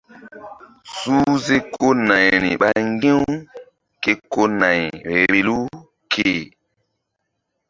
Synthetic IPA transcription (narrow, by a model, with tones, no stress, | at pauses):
su˦ze˦kʰo˦na˨jnḭ˨ɓa˦ŋ˦ɡẽ˦w | ke˦ko˦na˨jɾe˨lu˦ | kʰe˨